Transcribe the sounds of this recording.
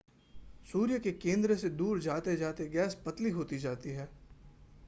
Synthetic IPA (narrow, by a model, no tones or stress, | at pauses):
suːɾjəkekẽːnd̪ɾəsed̪uːɾd͡ʒaːt̪ed͡ʒaːt̪eɡɛːspɐt̪liɦoːt̪id͡ʒaːt̪iɦɛː